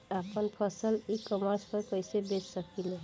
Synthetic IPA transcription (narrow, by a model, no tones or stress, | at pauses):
apʰʌnpʰʌsəlikɔmaɾspɔɾkʌjsebessʌkile